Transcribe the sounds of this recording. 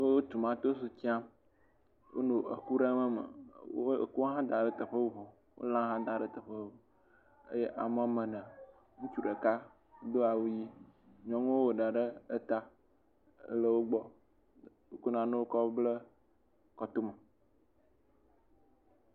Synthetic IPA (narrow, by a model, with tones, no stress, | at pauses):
wo˦wo˦t̪u˨mã˦t̪o˦s̬u˨t͡ɕi˦a˦m | wʔo̰˦nõ˨ʔə˨ku˦ɖə˦mə˦mə̰˨wo˦ḛ˨ku˦ɦã˦d̪a˨ɖə˦t̪ə˨ɸə˦wo˦vɔ˨ | wo̰˦lã˦ɦã˦d̪a˨ɖə˦t̪ə˨ɸə˦˨ | ə̰˦je˦ʔa˨mə˦mə̃˨nə̃˨ | ŋũ˦t͡ʃu˨ɖə˨ka˦ | d̪o˦a˨wu˦ji˦ | ɲɔ̃˦ŋũ˦wo˦wo˨ɖa˨ɖə˦ə˦t̪a˦ | ə̰˦lə˦wo˦ɡ͡bɔ˦ | o˦ku˦nã˨nõ˦wo˦kɔ˦blə˦ | kɔ˨t̪o˦mə˨